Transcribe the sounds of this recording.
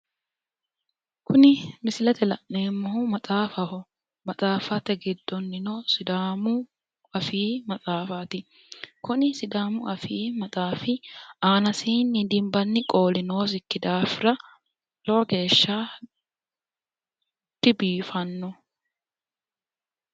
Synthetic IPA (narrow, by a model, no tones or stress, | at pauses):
kʰʊnɪmɪsɪlɛt̪ɛlɐʔneːmːɔhʊmɐt͡sʼaːfɐhʊ | mɐt͡sʼaːfɐt̪ɛɡɪd̪ːɔnːɪnɔsɪd̪aːmʊ | ɐfiːmɐt͡sʼaːfaːt̪ɪ | kʊnɪsɪd̪aːmʊʔɐfiːmɐt͡sʼaːfɪaːnɐsiːnːɪd̪ɪmbɐnːɪkʼo̞ːlɪno̞ːs̬ɪkːɪd̪aːfɪɾɐ | lɔwɐɡe̞ːʃːaː | t̪ːɪbiːfɐnːɔ